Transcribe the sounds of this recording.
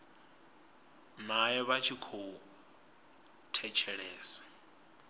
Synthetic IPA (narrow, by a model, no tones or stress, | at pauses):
najɛβat͡ʃʰikʰou | tʰɛt͡ʃʰɛɺɛːsɛ̥